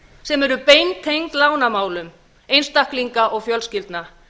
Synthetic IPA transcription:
sɛmɛɾʏpejnt̪ʰejŋk̪laːwnamaːwlʏm | ejnst̪ahkliŋkaʔɔɣfjœlscɪlt̪na

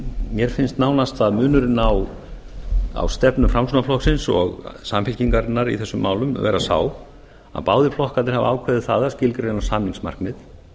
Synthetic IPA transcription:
mjɛɾ̥fɪnst̪naːwnast̪aðmʏːnʏɾɪnaw | a̰wst̪ɛpnʏmfɾamsunaflɔhksɪnsɔ̰ɣsamfɪlciŋkaɾnːaɾḭθɛsːʏmːaːwlʏmvɛːɾasa̰ːw | a̰ðpaːwðɪflɔhkanɪɾ̥hav̰aːwkʰvɛðɪθaːðascɪlkɾɛnawsamniŋsma̰r̥knɪð

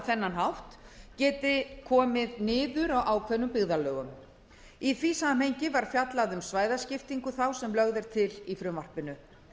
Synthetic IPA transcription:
θɛnːanɦawht̪cɛːt̪ɪkʰɔːmɪðnɪːðʏɾawʔaːwkʰvɛnːʏmpɪɣðalœːɣʏm | iθviːsaam̥ejɲcɪvaɾ̥fjat̪laðʏmsvaːjðascɪft̪iŋkʏθawsɛmlœɣðɛɾ̥t̪ʰɪlifɾʏmvar̥pɪnʏ

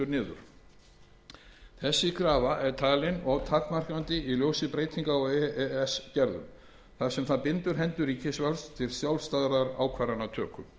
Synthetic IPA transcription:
ʏɾnɪːðʏ̰ɾ̥ | θɛsːɪkʰɾaːvaʔɛɾ̥t̪ʰaːlɪnɔɣt̪ʰakmar̥kɾant̪ɪiljoːwsɪpɾeːjt̪ʰiŋkaɔɣɛɛɛscɛɾðʏ̰m | θaðsɛmθaðpɪnt̪ʏɾ̥ɦɛnt̪ʏɾiːcɪsvalst̪ʰɪlsjawlst̪aːðɾaðaɾaːwkʰvaɾanat̪ʰœːkʏm

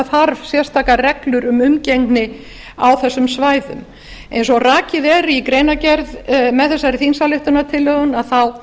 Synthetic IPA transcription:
θaɾv̥sjɛr̥st̪ʰaːkarɛklʏɾʏmʏmcejŋknɪ | awθɛsːʏmsvaːjðʏ̰m | ḛjnsɔɣraːcɪðɛɾikɾeːjnacɛɾðmɛðθɛsːaɾɪθinsalɪht̪ʏnat̪ʰɪlːœːɣʏnaðθaw

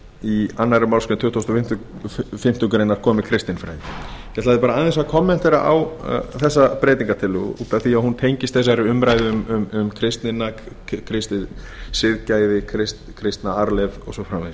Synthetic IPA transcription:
ianːaɾɪmawɾskʏnmt̪ʰʏːt̪ʰost̪ɔfɪm̥t̪ʏ | fɪm̥t̪ʏŋkɾejnaɾ̥kʰɔːmɪkʰɾɪst̪ɪnfɾa̰jjɛt̪laðɪpaːɾaaðɛ̃nsakʰɔmːɛn̥t̪ɛɾa̰ʔa̰w̰θɛsːapɾeːjt̪iŋkat̪ʰɪlʏ̰pɛaθiahunt̪ʰejɲcɪst̪θɛs̬aɾɪʏmɾajðɪʏmʏmʏmkʰɾɪst̪nɪna | kʰɾɪst̪ɪð | sɪðcaːjðɪkʰɾɪst | kʰɾɪst̪naaɾlɛvɔ̰ɣsɔfɾamɛ

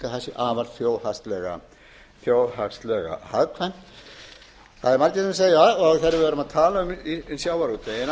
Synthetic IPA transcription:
kaθɛsːɪʔaːvaɾt̪fjoːwhast̪lɛɣa̰ | θjoːwhakst̪lɛɣa̰haðkʰvan | θaðɛɾmaɾcɪt̪ʏmseːjaɔɣθeɾɪvɪvɛɾʏmaðt̪ʰaːlaʏminsjaːwvaɾut̪ejɪn

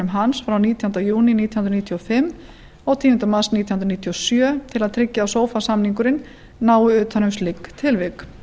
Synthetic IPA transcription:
ʏmɦansfɾawniːt̪ʰjʏnt̪ajuːnɪniːijhunɾniːt̪ʰiɔfɪmː | ɔɣt̪ʰiːʏnt̪amaɾ̥sniːjhunɾniːt̪ʰiɔsjœːt̪ʰɪlaðt̪ʰɾɪcːaːsoːwfasamniŋkʏɾɪnː | aːwʏʏːt̪hanʏmst̪lɪkːt̪ʰɪlvɪk

